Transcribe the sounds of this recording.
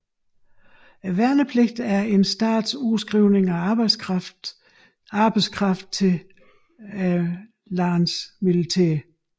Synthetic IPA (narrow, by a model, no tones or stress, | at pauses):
æʋæɐnəpʰleɡ̥̚d̥æɐe̝nsd̥ɑ̰̈ːd̥susɡ̥ʁiʊne̝ŋæ̥ | ɑ̈ːb̥ɑɪskʰʁɑ̈fd̥̚t͡sʰe̝ | lɑ̈ːnsmilit͡sʰḛːɐ